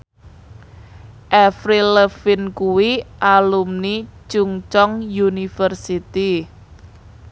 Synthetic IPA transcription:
ʔɛfɾiləfɪnkuwiʔalumnit͡ʃuŋt͡ʃɔŋjunifərsit̪i

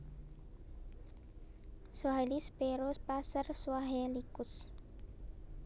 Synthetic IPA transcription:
soɦalispeɾospasərswaɦelikus

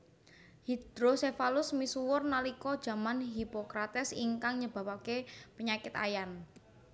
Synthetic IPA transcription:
hid̪̥ɾosefalʊsmisuwʊrnalikɔd̥ʒ̥a̤manɦipokɾat̪ɛsiŋkaŋɲəb̥a̤pakepəɲakɪt̪a̰jan

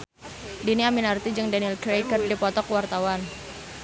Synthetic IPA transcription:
diniaminart̪id͡ʒɨŋdanilkɾejkərdipɔt̪ɔkwart̪awan

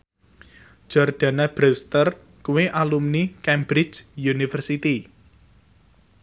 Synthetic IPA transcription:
d͡ʒ̥ɔrɖ̪̥a̤nab̥ɾɛst̪ər | kuweʔalumnikɛmbɾɪ̥d͡ʒjunifərsit̪i

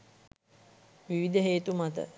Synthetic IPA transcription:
ʋiʋid̪əɦeːt̪umat̪ə̰

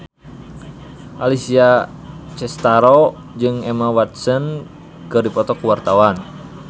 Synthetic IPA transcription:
ʔalisiat͡ʃɛst̪aɾo | d͡ʒɨŋɛmawat̪̚sən | kɨrdipɔt̪ɔkuwart̪awan

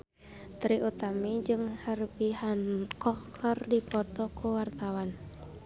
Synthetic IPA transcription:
t̪ɾiʔut̪amid͡ʒɨŋhəɾpiɦankʰɔhkʰɔrdipɔt̪ɔkʰuwart̪awan

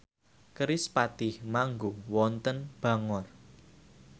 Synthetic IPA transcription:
kəɾɪspat̪ɪhmaŋɡowɔnt̪ənb̥ä̤ŋɔr

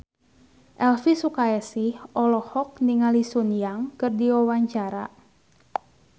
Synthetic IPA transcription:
ʔɛlfisukaɛsihʔɔlɔhɔk̚niŋalisunjaŋkərdiwɔwaɲt͡ʃaɾa̰

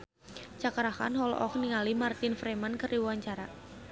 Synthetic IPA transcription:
t͡ʃakaɾaka̰nɦɔl̰ʔɔkniŋalimart̪ɪnfɾemankəriwuwaɲt͡ʃaɾa̰

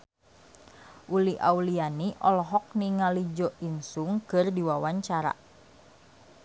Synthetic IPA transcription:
ʔuliʔa̰ulianiʔɔlɔɦɔk̚niŋalid͡ʒɔʔinsuŋkɨrdiwawaɲt͡ʃaɾa̰

